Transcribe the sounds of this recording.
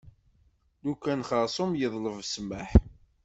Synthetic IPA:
d̪ukːænχəɾsˤʊmjəðˤləvsməħ

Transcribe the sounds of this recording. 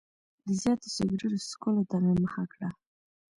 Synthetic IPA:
d̪əzjɑt̪o̥seɡɾiɾoskʊlod̪aɣaməxakɽa

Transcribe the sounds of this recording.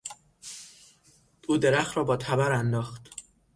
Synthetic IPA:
ʔuːd̪e̞ɾæxt̪ɾɒːbɒːt̪ʰæbæɾænd̪ɒːxt̪

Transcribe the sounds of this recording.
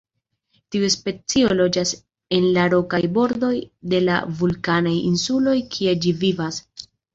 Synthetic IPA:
tiuspe̞t͡siolo̞d͡ʒas | e̞nlaɾo̞kajbo̞ɾdo̞jde̞la̰vulkanajinsulo̞jkʰie̞d͡ʒivivas

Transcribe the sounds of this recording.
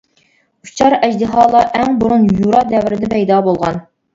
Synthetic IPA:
ut͡ʃʰɑɾɛd͡ʒd̪ɪɦɑːlˠɑʔɛŋbuɾunjuɾɑd̪ɛvɪɾɪd̪ɛpʰɛjd̪ɑːbolˠʁɑ̰n

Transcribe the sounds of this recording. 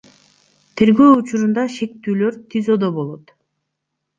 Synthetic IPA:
t̪ʰe̞ɾɡø̞ːut͡ʃuɾund̪ɑʃe̞k̚t̪yːløɾt̪ʰizo̞d̪obo̞lˠot̪

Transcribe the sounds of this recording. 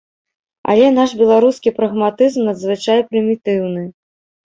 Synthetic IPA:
ɐ̰lʲɛn̪aʂbʲɛlˠaɾuskʲipɾɐɣmat̪ɨzmnɐd̪zvɨt͡ʂajɛpɾɨmʲit̪ɨwnɨ

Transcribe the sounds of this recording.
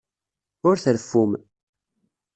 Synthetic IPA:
ʊɾθəɾfːum

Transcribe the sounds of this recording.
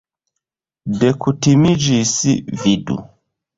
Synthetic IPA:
dɛkʰutimid͡ʒisividṵ

